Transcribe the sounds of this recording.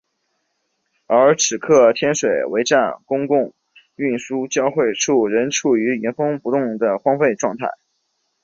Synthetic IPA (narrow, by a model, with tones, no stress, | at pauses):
ə˞˧˥ʈ͡ʂʰɻ̩˨˩kʰɤ˥˩t̪ʰjɛ˥nʂwe˨˩ɪwe˧˥ɪʈ͡ʂa˥˩nkʊ˥ŋkʊ˥˧ŋ | y˥˩nʂu˥t͡ɕjɑ˥˧ʊxwe˥˩ɪʈ͡ʂʰu˥˩ɻə˧˥nʈ͡ʂʰu˨˩y˧˥i˧˥nfɤ˥ŋpu˧˥t̪ʊ˥˩ŋd̪ə˩xwɑ˥ŋfe˥˧ɪʈ͡ʂwɑ˥˧ŋt̪ʰa̰˥˩ɪ